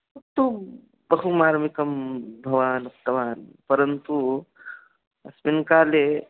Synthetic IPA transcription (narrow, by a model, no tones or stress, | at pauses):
uk̚t̪u | bɐɦumaːɾmikɐmbʱɐʋaːnuk̚t̪ɐʋaːnpɐɾɐnt̪u | ɐsminkaːle